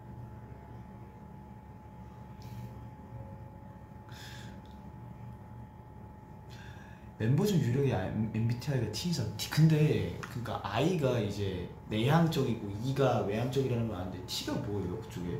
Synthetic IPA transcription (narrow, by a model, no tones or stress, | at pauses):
me̞mbod͡ʑʰɯŋjuɾjʌɡiaembitʰiaɡatʰiːsʰatʰi̥kɯnde̞kɯɲik͈a̰ʔaiɡaid͡ʑe̞ | ne̞ɦaŋt͡ɕ͈ʌɡiɡoiɡawe̞ɦaŋt͡ɕ͈ʌɡiɾanɯnɡʌnanɯnde̞tʰiɡaboejokɯ̥t͡ɕ͈oɡe